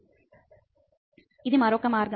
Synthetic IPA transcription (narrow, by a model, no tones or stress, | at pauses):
ɪðɯmɐɾoːkɐmaːɾɡɐ